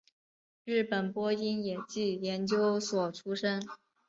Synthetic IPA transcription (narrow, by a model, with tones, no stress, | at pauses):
ɻ̩˥˩pə˨˩npwɔ˥i˥njɛ˨˩t͡ɕi˥˩jɛ˧˥nt͡ɕjo˥ʊswɔ˨˩ʈ͡ʂʰu˥ʂə˥n